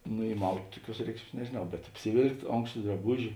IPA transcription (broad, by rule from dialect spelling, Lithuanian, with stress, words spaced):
nʊ iːˈmɐʊtʲ ˈtʊˌkʲuɔs ˈrʲɛɪkʃʲˌmʲiɛs nʲɛʒʲeːˈnɐʊ bʲɛt ɐpʲsʲɪˈʋʲeːlˠktʲ ˈoːŋkʃtɐ drɐˈbʊʒʲɪ